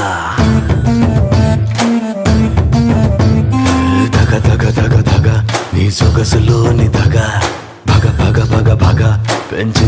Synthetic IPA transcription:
d̪ʱɐɡad̪ʱɐɡad̪ʱɐɡad̪ʱaɡanisoɡəslonid̪ʱɐɡa | bʱaɡabʱaɡabʱaɡabʱaɡapɛ̃nt͡ʃ

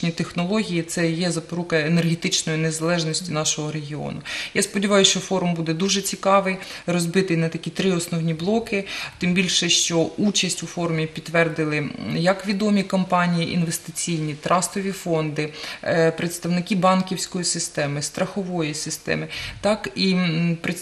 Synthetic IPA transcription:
nʲit̪exnɔlˠɔɦʲijit̪sɛjɛzɐpɔɾukɐenerɦet̪ɪt͡ʃnɔjʊnezɐlˠɛʒnɔsʲtʲinɑʃɔɦɔɾeɦʲiɔ̰nʊjaspɔdʲiʋɑjʊʃt͡ʃɔfɔɾʊmbud̪ɛd̪uʒɛt͡sʲikɑʋɪjrɔzbɪt̪ɪjnɐt̪ɐkʲit̪ɾɪɔsnɔwnʲiblˠɔkɪt̪ɪmbʲilʲʃɛʃt͡ʃɔut͡ʃɐsʲtʲʊfɔɾʊmʲipʲit̪ːʋɛrd̪ɪlˠɪjɐkʋʲid̪ɔmʲikɔmpɑnʲijiʔḭnʋest̪ɪt͡sʲijnʲit̪ɾʔɑst̪ɔʋʲifɔnd̪ɪpɾet̪st̪ɐwnɪkʲibɑnkʲiwsʲkɔjisɪst̪ɛmɪst̪ɾɐxɔʋɔjisɪst̪ɛ̰mɪt̪ɑkipɾe

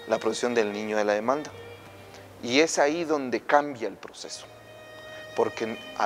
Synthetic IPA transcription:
lapɾoðksjo̞nd̪e̞lnĩɲoðe̞laðe̞mãnd̪a | ie̞saiðo̞nd̪e̞kambjaelpɾo̞se̞so̥ | po̞ɾkea̰

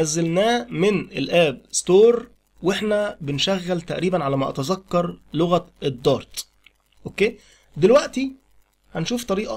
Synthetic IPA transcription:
æzːælnæːmɪnelʔæːbst̪oːɾˤ | weħnæbɪnʃæɣːælt̪æʔɾiːbænʕalæmæʔɑ̰t̪ɑzɑkːɑɾˤloɣæʔed̪ˤːɑːɾˤt̪ˤ | ʔokːeː | d̪elwæʔt̪i | hænʃuːft̪ˤɑɾiːʔɑ

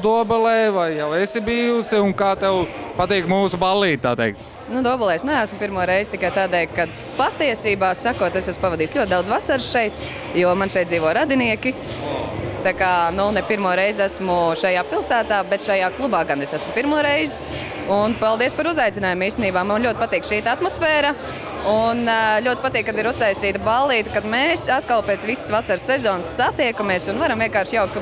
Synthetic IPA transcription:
d̪uɔbɛlɛːvajjawesibiːjusiʊŋkaːt̪ɛwpat̪iːkmuːsubalˠːiːt̪̚t̪ːa̰ːt̪ɛjk̚t̪ | nud̪uɔbɛlˠɛːsnɛæːsmʊpiɾmuɔɾɛjzt̪ikajt̪aːd̪ɛjkad̪ | pat̪iɛsiːbaːsakuɔt̪esæspaʋad̪iːslʲuɔt̪̚d̪awd̪zvasaɾsʃɛjt̪ | juɔmanʃɛjt̪̚ziːʋoɔɾad̪iniɛki | t̪akaːnunɛpiɾmuɔɾɛjzæsmʊʃajaːpilˠsæːt̪aːbɛt̪ʃajaːklˠubaːɡanesæsmʊpiɾmuɔɾɛjzɪ | unpalˠd̪iɛspaɾuzajt̪sʲɪnaːjumiːst̪eniːbaːmanlʲuɔt̪ɪ̥pat̪iːkʃiːt̪at̪mɔsfɛːɾa | unlʲuɔt̪ɪpat̪iːkːad̪iɾust̪ajsiːt̪ɐbalˠːiːt̪kad̪meːsat̪kalˠpeːt̪sʋissvasaɾsːezɔːnsːat̪iɛkumeːsʊnvaɾamviɛnkaːɾʃjawkk̪

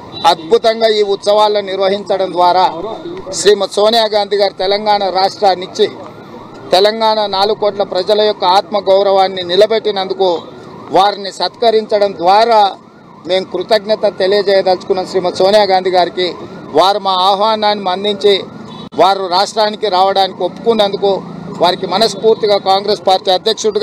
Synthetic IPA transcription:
ɐd̪̚bʱut̪ɐŋɡaːiːut̪sɐʋaːlːoniɾʋɐɦiɲt͡ʃɐɽɐmd̪ʋaːɾaːʃɾiːmɐt̪soːnijaːɡaːnd̪ʱiɡaːɾit̪ɛlɐŋɡaːɳɐɾaːʂʈɾaːnit͡ʃːi | t̪ɛlɐŋɡaːɳɐnaːluɡukːoːʈlɐpɾɐd͡ʒɐlɐjɔkːɐaːt̪mɐɡɐwɾɐʋaːnːinilɐbe̞ʈːinɐnd̪uku | ʋaːɾinisɐt̪kɐɾiɲt͡ʃɐɽɐmd̪ʋaːɾaː | me̞ːmukɾut̪ɐɡnɐt̪ɐt̪e̞lijɐd͡ʒɛːjɐd̪ɐlt͡ʃukunːɐmʃɾiːmɐt̪soːnijaːɡaːnd̪iɡaːɾikiʋaːɾumaːaːɦʋaːnaːnːimɐnd̪iɲt͡ʃi | ʋaːɾuɾaːʂʈɾaːnikiɾaːʋɐɽaːnikiopːu̥kunːɐnd̪ukuʋaːɾikimɐnɐspuːɾt̪iɡaːkaːŋɡɾeːspaːɾʈiːɐd̪ʱjɐkʂuɽuɡ

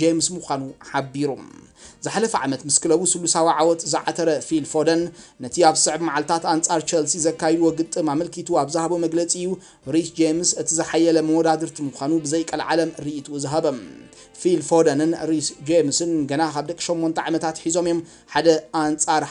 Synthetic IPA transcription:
d͡ʒemsmuxʷanuħabːiɾum | zɨħalɐfɐʕa̰mɐt̪mɨskʰɨlɐβusɨlusawiʕawɔt̪zɨʕat̪ʰɐɾɐfilfod̪ɐnːɐt̪ʰiaβsɨʕbmaʕalt̪ʰat̪ant͡sʼaɾt͡ʃʰɐlsizɐkːajɛd̪uwoɡɨt̪ʼːɨmamɐlkʰit̪ʰuaβzɨhaβomɐɡlɐt͡sʼiɨjːu | ɾisd͡ʒemsɨt̪ʰizɨħajːɐlɐmɐwɔd̪ad̪ɨɾt̪ʰimuxʷanubɨzɐjkʼɐlʕa̰lɐmɾiʔt̪ʰuzɨɦɐbɐm | filfod̪ɐnɨnɾisd͡ʒemsɨnɡɐnakʰaβd̪ɐkʼːiʃomːont̪ʰɐ̰ʕamɐt̪ʰat̪ħizo̞mjo̞m | ħad̪ɐant͡sʼaɾ

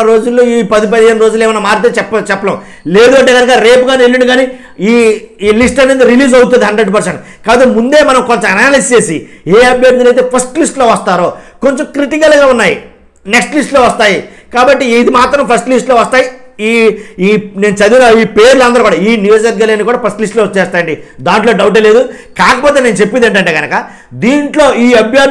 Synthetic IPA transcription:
ɾo̞ːd͡ʒulːo̞ːiːpɐd̪ip̬ɐd̪iɦeːnɾo̞ːd͡ʒulːɛːʋɐnamaːɾit̪̬et͡ʃɛpːt͡ʃɛpːɐnɐm | le̞ːd̪uɐɳʈeːkɐnɐkaɾe̞ːpuɡaːnielːiɳɖuɡaːni | iːiːlisʈɐnend̪iɾiliːd͡ʒɐwut̪̬und̪iɦɐɳɖɾeɖp̬ɐɾseɳʈ | kaːbɐt̪ːemund̪e̞ːmɐnɐmko̞ɲt͡ʃɐmɐnaːlɐst͡ʃeːsḭeːɐbʱjɐɾt̪̬ulɐjt̪̬e̞ːpʰɐsʈlisʈlo̞ːʋɐst̪aːɾo̞ːko̞ɲt͡ʃomkɾiʈikɐlɡaːunːaːjḭ | neksʈlisʈlo̞ːʋɐst̪aːji | kaːbɐʈːiːd̪imaːt̪ɾɐmpʰɐsʈlisʈloːʋɐst̪aːji | iː | ne̞ːnut͡ʃɐd̪inaiːpeːɾuluɐnd̪ɐɾɐkuːɽaiːnjuːd͡ʒɐɾɡɐlaːnːikuːɽaːpʰɐsʈlisʈloːt͡ʃɛːst̪aːjɐɳɖid̪aːɳʈloːɖɐwuʈ̬eːleːd̪ukaːkɐpoːt̪e̞ːne̞ːnut͡ʃe̞pːind̪ɐɳʈɐɳʈeːɡɐnɐkɐ | d̪iːɳʈlo̞ːiːɐbʱjɐ

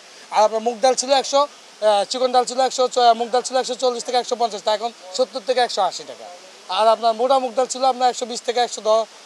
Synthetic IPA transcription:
aɾapnaɾmuk̚d̪alt͡ɕʰiloɛkʃɔ | t͡ɕikonɖalt͡ɕʰiloɛkʃɔmuk̚d̪alt͡ɕʰiloɛkʃɔt͡ɕolːist̪ʰekeɛkʃɔp̬ɔnt͡ɕasʈaɛkʰonʃot̪ːuɾt̪ʰekeɛkʃɔaʃiʈaka̰ | aɾapnaɾmoʈamuk̚d̪alt͡ɕʰiloapnaɾɛkʃɔbist̪ʰekeɛkʃɔd̪ɔ

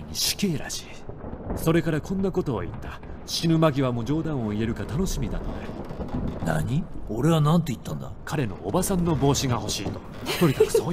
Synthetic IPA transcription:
ɲ̟ʲiɕi̥ke̞ːɾa̰ɕi̥ːso̞ɾe̞kaɾakʰõ̞nːako̞t̪o̞̰ːit̪ːa | ɕinɯ̟maɡʲiβ̞amo̞ːd͡ʑo̞ːd̪ãɰ̃o̞ie̞ɾɯ̟kat̪ano̞ɕimʲid̪a̰t̪o̞̰na̰ɾɯna̰ɲioɾe̞βanãnt̪oit̪ːãnd̪a̰kaɾe̞no̞̰ʔːbasãnːo̞bo̞ːɕiɡaho̞ɕiːt̪o̞̥ | t̪oɾid̪akɯ̥soː

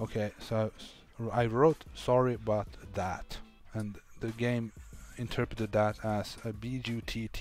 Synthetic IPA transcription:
oʊkʰeɪso | aɪɹoʊtsɑɹiəbaʊt̪̚ðæt | ɨ̃nðɨɡẽɪ̃mɨ̃ntʰɜ˞pɹɨɾɨd̪̚ðəɾəz̥ɨbid͡ʒʉtʰitʰ

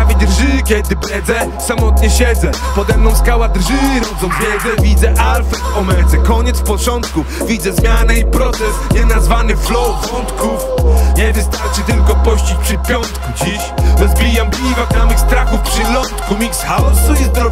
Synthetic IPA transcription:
avʲid̪ɾʐɨkʲɛd̪ɨpɾɛd̪zɛ | samɔt̪ɲɛɕɛd̪zɛpɔd̪ɛmnɔ̃w̃skawɛd̪ɾʐɨɾɔd̪zɔ̃w̃vʲjɛd̪zɛvʲid̪zɛʔalfɛt̪ɔmɛd̪zɛkɔɲɛt̪sfpɔt͡ʂɔnt̪ku | vʲid̪zɛzmʲjanɛipɾɔt̪ɛsɲɛnazvanɨflɔwvɔnt̪kʰufɲɛvɘst̪aɾt͡ʂɨt̪ɘlkɔpɔɕt͡ɕit͡ɕpʂɨpʲjɔnt̪kud͡ʑiɕɾɔzbʲijamblʲivak̪namɪxst̪ɾakufpʂɨlɔnt̪kumʲiksxasuizd̪ɔ

